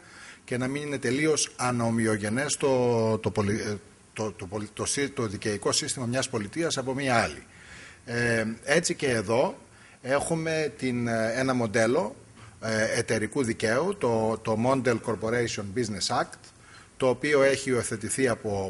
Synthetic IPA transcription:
ce̞nɐminine̞t̪e̞lio̞sɐnɐomio̞ʝe̞ne̞st̪ot̪opoli | t̪ot̪opot̪osit̪oðice̞iko̞sist̪imɐmɲɐspo̞lit̪iɐsɐpo̞miɐɐlḭ | e̞t͡sice̞ːðo̞ | e̞xume̞t̪ine̞nɐmo̞nd̪e̞lo̞ | et̪e̞ɾikuðice̞ut̪ot̪o̞mo̞nd̪elko̞ɾpo̞ɾejsio̞nbizne̞sɐkt̪ | t̪o̞ːpio̞e̞çiueθe̞t̪iθiɐpo̞

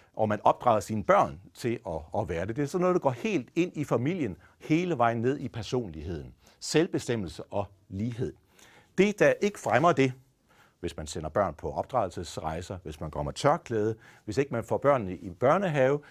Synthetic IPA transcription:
ʔɒ̽mænɒ̽b̥̚d̥ʁɑ̈ːðˠɐsiːnəb̥ɶɐ̰nt͡sʰe̝lɒːʋæːɐd̥e̝d̥e̝æsɒ̽nːɔðˠdɑ̈ɡ̥ɒ̰ːhe̝̰ːld̥e̝n̰ifæmil̰jən | he̝ːləʋɑ̈ɪ̰n̩ːe̝ð̞̰ˠipʰæɐso̝̰ːnliɦe̝ð̞̰ˠn̩ | selb̥e̝sd̥em̰l̩səʔɒ̽ | liːɦe̝ð̞̰ˠ | d̥e̝d̥æʔe̝ɡ̥ə̥fʁamɐd̥e̝ | ʋe̝smænsen̰ɐb̥ɶɐ̰npʰɒ̽ʔɒ̽b̥̚d̥ʁɑ̈ðˠl̩səsʁɑ̈ɪsɐʋe̝smænkʰɒ̽m̰ɐt͡sʰɶɐkʰlɛːð̞ˠə | ʋe̝se̝ɡ̥mænfɒ̰b̥ɶɐ̰nːəʔib̥ɶɐnəɦɛːʊ

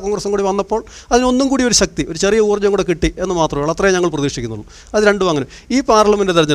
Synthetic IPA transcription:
koːŋrɐsumkuːɽiʋɐnːɐpːo̞ːɭɐðino̞nːumkuːɽio̞ɾuɕɐk̚t̪io̞ɾut͡ɕe̞rijɐuːrd͡ʑːɐŋːuɽekiʈːie̞nːɨmaːt̪rɐmaːɭɐt̪rɐjɲɐŋːɐɭprɐðiːʂikʲːunːuɭː | ɐðɨɾe̞ɳɖuʋaːŋːɐnɐm | iːpaːrɭɐmɐndet̪iɾɐɲːɐ

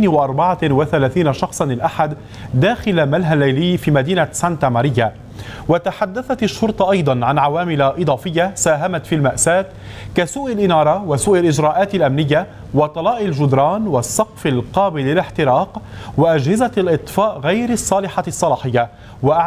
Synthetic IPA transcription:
nwɪʔɑɾˤbɑʕawɪθalaːθiːnaʃɑxsˤɑnlɪlʔaħad̪ː | aːxɪlamalɦalːajlɪːfiːmad̪iːnasant̪amaːɾɪjːa | wat̪aħad̪ːaθat̪aʃːʊɾt̪ˤɑʔɑjd̪ˤɑnʕanʕawaːmɪlaʔɨd̪ˤɑːfɪjːasaːɦamat̪filmaʔsaːt̪ | kasuːʔalʔɪnɑːɾˤɑwasuːʔalʔɪd͡ʒɾaːʔaːt̪alʔamnɪjːa | wɑt̪ˤɑlɑːʔalʒʊd̪ɾˤɑːnwɑsˤːɑqfɪlqɑːbɪlːɪlɪħt̪ɪɾɑːqwɪʔad͡ʒhɪzalʔɨt̪ˤfɑːʔɣajɾɑsˤːɑːlɪħɑsˤːɑlɑːħɪjːa | waʔaʕ

